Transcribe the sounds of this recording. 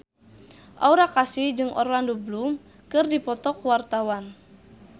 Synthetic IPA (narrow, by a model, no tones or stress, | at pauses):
ʔa̰uɾakasid͡ʒɨŋʔɔ̰rlandoblum | kɨrdipɔt̪ɔkwart̪awan